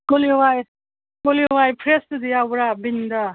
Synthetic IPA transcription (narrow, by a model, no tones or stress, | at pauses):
koliwaj | koliwajpʰɾest̪ud̪iabuɾabind̪a